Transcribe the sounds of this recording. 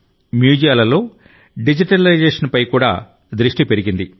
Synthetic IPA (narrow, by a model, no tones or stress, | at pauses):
mjuːd͡ʒijaːlɐlo̞ː | ɖid͡ʒiʈɐlɐjd͡ʒeːʂɐnpɐjkuːɽa̰ː | d̪ɾiʂʈipe̞ɾiɡind̪i